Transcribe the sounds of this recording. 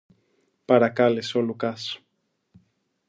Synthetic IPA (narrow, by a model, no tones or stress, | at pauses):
paɾakalesolukasu̥